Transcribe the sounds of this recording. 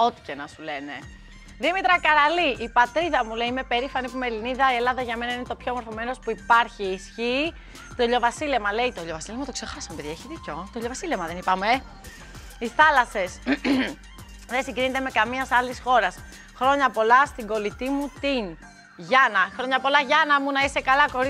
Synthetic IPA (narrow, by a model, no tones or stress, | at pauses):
o̞t̪i̥cenɐsule̞ne̞ | ðimit̪ɾɐkɐɾɐliʔipɐt̪ɾiðɐmule̞iimepe̞ɾifɐnipumeliniðɐie̞lɐðɐʝɐme̞nɐinet̪opçoemo̞ɾθo̞me̞no̞spuipɐɾçiːsçi | t̪oʎo̞vɐsile̞mɐle̞jt̪oʎo̞vɐsilemɐt̪o̞ksexɐsɐmpeðieçiðicot̪oʎo̞vɐsilemɐðenipɐme | iθɐlɐse̞s | ðesiŋɡɾinet̪e̞me̞kɐmiɐsɐlisxo̞ɾɐs | xɾo̞ɲɐpo̞lɐst̪iŋɡo̞lit̪imut̪in | ʝɐnɐxɾo̞ɲɐpo̞lɐʝɐnɐmunɐise̞kɐlɐko̞ɾ